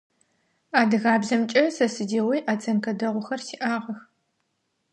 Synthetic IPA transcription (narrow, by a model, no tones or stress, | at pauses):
aːdɨɣaːbzɐmt͡ʃʼɐsɐsɨdeːwijʔaːt͡sʼɐnkʰɐdɐʁʷʊxɐrsiːʔaːʁɐx